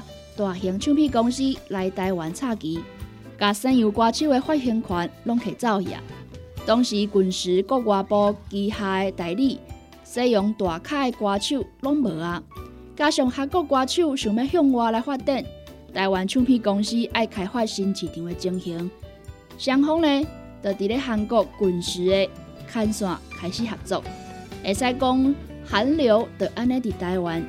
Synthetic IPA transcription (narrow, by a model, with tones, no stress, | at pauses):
t̪wa˨˩ɦi˨˧˦ŋt͡ɕʰjũ˥˧pʰi˥˧˨kɔ˧ŋɕi˦la˨˧jt̪a˧jwa˨˦nt͡sʰa˥˧ki˨˦ | ka˨sã˧nju˨˩kwa˧t͡ɕʰju˥˨e˧hwa˥˩ɦji˧ŋkʰwa˨˦nlɔ˧˦˥ŋkʰe˨˩jt͡sa˥˧˨ʊja̰˨˦t̪ɔ˧˦ŋɕi˨˦ku˨˩nʂ̩˨˦kɔ˥˧kwa˧pɔ˧ki˧ha˧e˧t̪a˨˩jli˥˧ | se˦jɔ˨˧˦ŋt̪wa˨˩kʰa˥˧e˧kwa˧t͡ɕʰju˥˧˨lɔ˦˥ŋbə˨˩a˧ | ka˧ɕjɔ˨˩ŋha˧kɔ˥˧˨kwa˧t͡ɕʰju˥˧ɕu˨˩me˧˦hjɔ˥˧˨ŋwa˧la˧jhwa˥˧t̪ɛ˥˨n | t̪a˧jwa˨˦nt͡ɕʰu˥˧pʰĩ˥˧˨kɔ˧ŋɕi˦˥ʔa˥˩jkʰa˨˩jhwa˥˧t̚ɕi˧nt͡ɕʰi˨˩t̪ʰĩ˨˦e˨˧t͡ɕi˧ŋhi˨˦ŋ | ɕja˧ŋɦɔ˦˥ŋle˧ | t̪ə˨˩t̪i˨ɾe˦ɦa˧˩nkɔ˥˧˩ku˨˩nɕ̩˨˦e˧ | kʰa˧nswa̰˨kʰa˨˩jɕi˧˦ha˨˩p̚t͡sɔ̰˧˨k̚e˨˩sa˧jkɔ˦ŋ | ha˨˦nljo˧˦ʊt̪ə˨˩ʔa˦˥nːẽ˦t̪i˨˩t̪a˧jwa˨˦n